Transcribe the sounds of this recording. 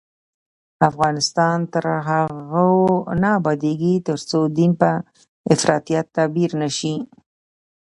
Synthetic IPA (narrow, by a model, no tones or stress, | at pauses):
afɣɑnɪst̪ɑnt̪əɾɦaɣaonɑbɑd̪eɡit̪əɾt͡sod̪inpə | ɪfɾɑt̪ijat̪ːabiɾnəʃi